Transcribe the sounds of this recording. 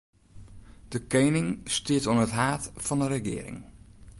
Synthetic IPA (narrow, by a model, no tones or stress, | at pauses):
d̥əkejnɪŋstɪətɔnətɦaːtfɑndəɾəɡɪ̰ːəɾɪ̰ŋ